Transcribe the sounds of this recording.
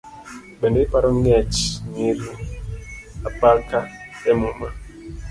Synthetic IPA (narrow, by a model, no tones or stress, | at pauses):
ɓɛndeipaɾɔŋɛt͡ʃŋiɾ | apakaɛmuma